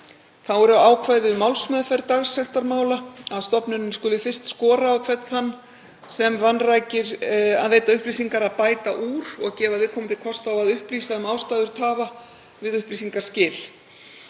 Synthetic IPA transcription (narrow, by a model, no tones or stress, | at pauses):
θaðvɔɾʏaaːwkʰvaːjðɪʏmawlsmɛːðfajɾt̪aɣsɛxt̪aɾmaːwlaaðst̪ɔpnʏnɪnskʏlɪfɪrst̪skɔːɾaːwkʰvɛt̪θanː | sɛmvanraːjcɪɾ̥a̰ðveːjt̪aʏhpliːsiŋkaɾaðpaːjt̪a̰ʔuːɾ̥ɔɣcɛːvaðvɪðkʰɔːmʏt̪ʰɪkʰɔst̪awaðʏhpliːsaʏmaːwlst̪ajðʏɾ̥t̪ʰaːva | vɪðʏhpliːsiŋkaɾ̥scɪːl